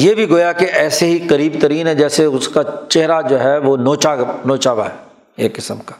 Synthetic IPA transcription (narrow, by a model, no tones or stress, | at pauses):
jeːbʱiɡoːjakeʔɛːseɦikɐɾiːbt̪ɐɾiːnɦɛ̃d͡ʒɛːseʊskat͡ʃeɦɾad͡ʒoːɦɛʋonoːt͡ʃanoːt͡ʃaːʋa̰ɦɛː | ḛːkːɪsəmkḁː